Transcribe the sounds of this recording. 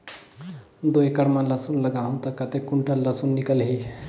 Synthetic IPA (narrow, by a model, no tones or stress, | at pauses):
d̪ojkəɽmaləsunləɡaːɦũt̪ɐkɐt̪ekuɳʈəllɐsunːikəlɦi